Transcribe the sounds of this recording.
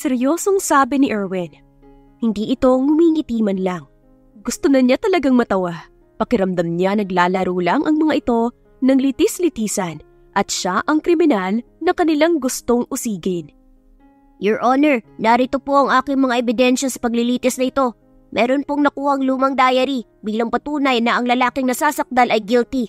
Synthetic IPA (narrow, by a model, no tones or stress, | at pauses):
sɛɾjoːso̞ŋsaːbɪnɪʔɛɹwɛn | hɪnd̪iːʔɪt̪o̞mʊmiŋɪt̪iːmɐnlɐŋ | ɡʊst̪onɐɲat̪ɐlɐɡaŋmɐt̪ɐwa | pɐkɪɾɐmd̪ɐmɲanɐɡlaːlɐɾuːlɐŋʔɐŋmɐŋaʔɪt̪o̞ | nɐŋlit̪ɪslɪt̪iːsɐn | ʔɐt̪̚ʃaʔɐŋkɾɪmɪnal | nɐkɐnɪlaŋɡʊst̪o̞ŋʔʊsiːɡɪn | joɹʔonɛɹnaɾɪt̪opo̞ʔɐŋʔaːkɪŋmɐŋaʔɛbɪd̪ɛnʃɐsɐ̥pɐɡlɪliːt̪ɪsnɐɪt̪o̞ | mʔɛːɾo̞npoŋnɐkuːhɐŋluːmɐŋd̪aːjɐɾi | biːlɐŋpɐt̪uːnɐjnɐʔɐŋlɐlaːkɪŋnɐsaːsɐk̚d̪alɐjɡilt̪i